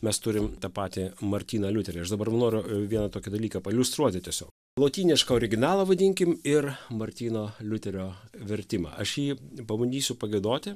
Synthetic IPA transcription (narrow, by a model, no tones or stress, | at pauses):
mʲɛst̪ʊɾʲɪmt̪ɐpɑːt̪ʲɪmɐɾʲt̪ʲiːnɐlʲʊt̪ʲɛɾʲɛɐʃd̪ɐbɐɾrʋnoːɾʲʊʋʲiɛnɐt̪oːkʲɪd̪ɐlʲiːkɐpɐɪlʲʊst̪ɾuɔt̪ʲɪt̪ʲiɛsʲo̰ːk | lˠoːt̪ʲiːnʲɪʃkɐoːɾʲɪɡʲɪnɑːlˠɐʋɐd̪ʲɪŋʲkʲɪmɪrmɐɾʲt̪ʲiːnoːlʲʊt̪ʲɛɾʲoːʋʲɛɾʲt̪ʲɪmɑ̰ːʔɐʃjiːpɐbɐnʲd̪ʲiːsʲʊpɐɡʲɛɪd̪oːt̪ʲɪ